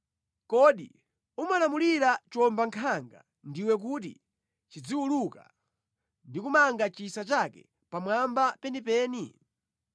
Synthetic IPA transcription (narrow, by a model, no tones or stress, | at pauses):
kɔɗi | umalamuliɾat͡ʃɔmbaŋkʰaŋɡa̰ | ndiwɛk̬ut̬ḭ | t͡ʃid͡ziwuluka̰ | ndikumaŋɡat͡ʃisat͡ʃakɛ̰ | pamwambapɛnipɛːni